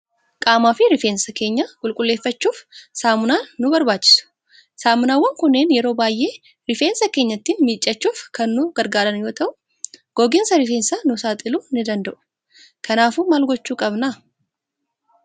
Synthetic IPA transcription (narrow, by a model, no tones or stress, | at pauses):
kʼaːmaːfɪɾɪfeːnsɐke̞ːɲːɐkʼʊlkʼʊlːe̞ːfːɐt͡ʃːuːfsaːmʊnaːʊbɐɾbaːt͡ʃːɪ̥sʊ̥ | saːmʊnaːwːɐŋkʊnːeːnjɛɾoːbaːjʔe̞ː | ɾɪfeːnsɐke̞ːɲːɐt̪ːinmɪt͡ʃʼːɐt͡ʃːuːfkɐnːʊɡ̥ɐɾɡaːɾɐnjo̞ːt̪ɐʔʊ | ɡ̥ɔɡɪnsɐɾɪfe̞ːnsɐnʊsaːt̪ʼɪluːnɪd̪ɐnd̪ɐʔʊ̥ | kɐnaːfuːmaːlɡɔt͡ʃːuːkʼɐbna